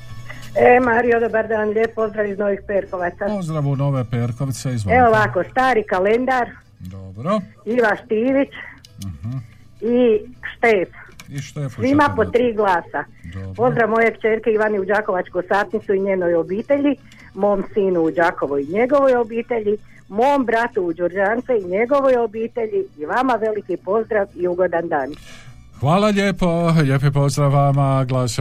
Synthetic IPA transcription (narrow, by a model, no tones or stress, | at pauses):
emaːɾijod̪obaɾd̪aːnʎeːp̚po̞zd̪ɾaʋizno̞ʋixpeːɾko̞ʋat̪sazd̪ɾaʋunoʋepeːɾkoʋit̪seize̞oʋakost̪aːɾikale̞nd̪aɾ | d̪obɾoiʋaʃt̪iːʋit͡ʃ | iʃt̪eːfiʃt̪esʋimapot̪ːɾiːɡlˠaːsa | po̞zd̪ɾaʋmo̞jekt͡ʃeːɾkeiʋaniud͡ʒaːko̞ʋat͡ʃkosaːt̪nit̪suiɲeːnojo̞biːt̪e̞ʎi | mo̞ːmsiːnuːd͡ʒaːko̞ʋoiɲe̞ɡo̞ʋo̞jo̞biːt̪e̞ʎi | mo̞mbɾat̪uːd͡ʒoɾd͡ʒaːnt̪seiɲe̞ɡo̞ʋojobiːt̪e̞ʎiːʋamaʋe̞likipo̞zd̪ɾaʋiuɡo̞d̪and̪aːn | xʋaːlaʎjeːpoʎeːp̬epozd̪ɾaʋamaɡlaːs